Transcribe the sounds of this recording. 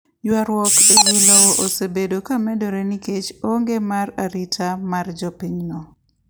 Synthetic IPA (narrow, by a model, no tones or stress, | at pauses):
jwaɾwɔkewulaoʔosebedokamɛdɔɾɛniket͡ʃoŋɡemaɾaɾitʰamard͡ʒɔpiɲnɔ